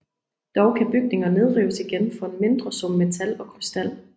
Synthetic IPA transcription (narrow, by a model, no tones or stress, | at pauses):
d̥ɒʊkʰæb̥yɡ̥̚ne̝ŋɐne̝ð̞ˠʁiːʊəsiɡ̥enfɒ̽e̝nme̝nd̥ʁɐsɔ̽m̰met͡sʰælɒ̽kʰʁisd̥æl̰